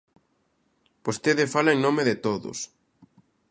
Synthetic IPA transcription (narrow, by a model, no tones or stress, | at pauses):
post̪eðefalaeŋnõmeðet̪oðʊ̰s